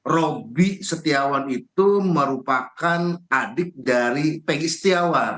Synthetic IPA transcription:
robisət̪iawanit̪uməɾupakanadɪk̚daɾipɛɡisə̥t̪iawan

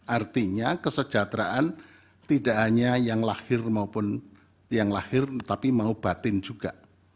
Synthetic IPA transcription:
ʔart̪iɲakəsə̥d͡ʒ̥at̪ɾaʔan | t̪idaʔɦaɲajaŋlahɪrmaupʊn | jaŋlahɪrt̪apimaub̥at̪ɪnd͡ʒuɡ̥aʔ

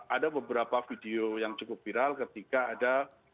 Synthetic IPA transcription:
adabəbəɾapafideojaŋt͡ʃukʊp̚viɾalkət̪ikaːda

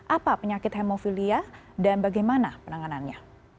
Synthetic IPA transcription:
ʔapapəɲakɪt̪hɛmofilia | danbaɡajmanapənaŋananɲa

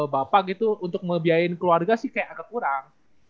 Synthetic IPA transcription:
bapaɡit̪uunt̪ʊk̚məbiaɪnkəluarɡasɪhkajaʔakakuɾaŋ

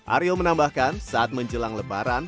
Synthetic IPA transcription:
ʔa̰ɾjomənambahkansaat̪̚məɲd͡ʒəlaŋləbaɾan

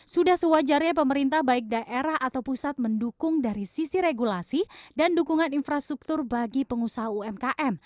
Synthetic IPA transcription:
sudahsəwad͡ʒarɲap̬əməɾint̪ahbaɪk̚daʔeɾaɦat̪awpusat̪̚məndukʊŋdaɾisisiɾeɡulasidandukuŋaninfɾast̪ɾuk̚t̪ʊrbaɡipəŋusaɦauɛmkaʔɛm

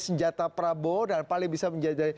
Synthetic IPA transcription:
səɲd͡ʒat̪apɾabodanpalɪŋbisaməɲd͡ʒadaj

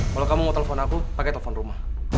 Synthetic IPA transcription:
kalokamuŋɔt̪ɛlefɔnakupakɛt̪ɛlefɔnrumah

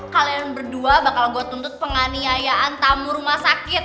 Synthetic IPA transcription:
kalianbərduabakalɡuat̪unt̪ʊt̪̚pəŋaniajaʔant̪amurumahsakɪt̪̚

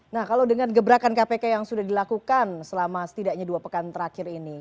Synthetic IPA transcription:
nahkalawdəŋanɡəbəɾakankapekajaŋsudahdilakukansəlamasə̥t̪idaʔɲaduapəkant̪əɾakɪɾini

